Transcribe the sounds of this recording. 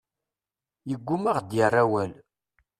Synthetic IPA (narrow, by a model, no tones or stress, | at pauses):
jəɡʷːumaʁd̪jərˤːawæl